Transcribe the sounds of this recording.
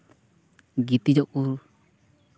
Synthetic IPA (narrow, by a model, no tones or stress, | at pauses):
ɡit̪id͡ʒɔkuɾ